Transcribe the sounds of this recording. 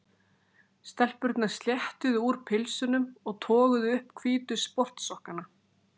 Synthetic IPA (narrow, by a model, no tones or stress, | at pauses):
st̪ɛl̥pʏɾt̪nḁst̪ljɛht̪ʏðʏuɾpʰɪlsʏnʏmɔɣt̪ʰɔːɣʏðʏʏhpkʰviːt̪ʏspɔr̥t̪sɔhkana